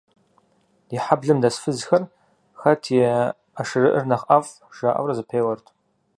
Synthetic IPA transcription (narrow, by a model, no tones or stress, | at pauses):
iħabɮɨmdasfɨzxɐr | xɐtʰiɛ | aʂɨrɨʔɨrnɐχʔafʼ | ʒ̥aʔa̰wrɐzɨpʰeːjwɐrtʰʼ